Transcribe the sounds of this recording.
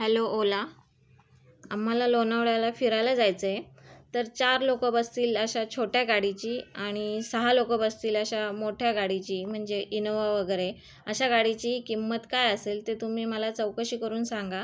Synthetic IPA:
ɦɛloola | am̤ːalalonaʋɽalafiɾajlad͡zajt͡səjet̪əɾt͡ɕaɾlokəbəst̪iːləɕat͡ɕʰoʈjaɡaɽit͡ɕiːaɽ̃isəɦalokəbəst̪iːləɕamoʈʰjaɡaɽit͡ɕiːm̤əɳd͡zeʔinoʋaʋəɡəɾe | əɕaɡaɽit͡ɕiːkimːət̪kajəselt̪et̪um̤iːməlat͡səwkəɕiːkəɾuːnsaŋɡa

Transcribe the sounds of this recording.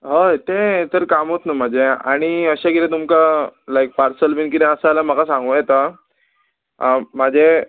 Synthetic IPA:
ɦət̪et̪əɾkamɦot̪nəm̤ad͡ʑea̰ɽ̃iəɕaɡiɾẽt̪umkalajk̚paɾsəlʋinkid̪ẽəsalam̤əɡasãŋɡũjɛt̪a | mad͡ʑʱe

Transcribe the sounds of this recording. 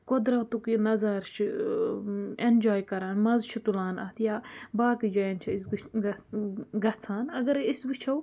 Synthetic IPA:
kod̪ɾaːt̪uknɐzaɾt͡ʃʰ | end͡ʒaːjkɐɾaːnmɐzt͡ʃʰut̪ulaːnɐ̰ːt̪ʰjaːbaːkid͡ʒɐjɐnt͡ʃʰɐis | ɡɐt͡sʰaːnɐɡɐɾisbit͡ʃʰɐw

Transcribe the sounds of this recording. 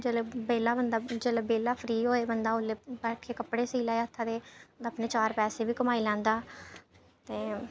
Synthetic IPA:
d͡ʒeːlebeːlaːbənd̪aːd͡ʒeːlebeːlaːpʰɾiːɦoːeːbənd̪aːʊleːbɛːʈʰkeːkəpɽeːsiːlaːeət̪ʰːaːd̪eːəpneːt͡ʃaːɾpɛːseːbiːkəmaːiːlɛ̃ːnd̪aː | t̪eː

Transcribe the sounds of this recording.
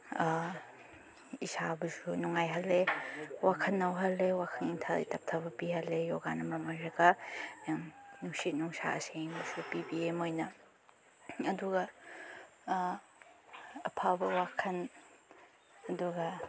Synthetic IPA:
isabɐzunuŋajɦɐlːewakʰɐnːɐwɦɐlːewakʰɐnintʰalḛtʰɐp̚tʰɐbɐpihɐlːejɔɡanɐmɾamaɾɐɡa | nuŋsit̚nuŋsa̰ʔɐ̰senbɐzupibiemojnɐ | ɐduɡɐ | ɐpʰabɐwakʰɐn | ɐduɡɐ

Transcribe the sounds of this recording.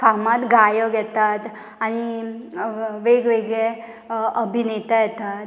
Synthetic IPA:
famat̪ɡajɔɡɛt̪at̪ | aɽ̃i | ʋeɡʋeɡɭe | əbʱinet̪əjɛt̪at̪

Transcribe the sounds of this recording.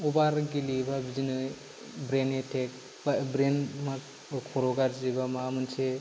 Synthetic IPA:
ɔbaɾɡilibabizinɯ | bɾenetʰek̚ | babɾenma | kʰɔɾɔɡaɾzibamamɯnse

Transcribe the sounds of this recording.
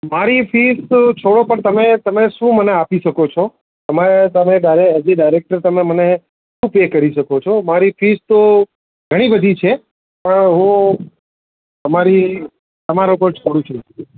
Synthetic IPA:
maɾifʰiːst͡ʃʰoɽopəɳt̪əmẽt̪əmẽʃũːməneapiʃəkot͡ʃʰo | əmaet̪əmẽɖaɪɾeeziɖaɪɾek̚ʈəɾt̪əmẽməne | ʃũːpekəɾiʃəkot͡ʃʰomaɾifʰist̪o | ɡʱəɽ̃ibəd̪ʱit͡ʃʰe | pəɳɦũ | əmaɾi | t̪əmaɾũkolt͡ʃʰoɽũt͡ʃʰunə

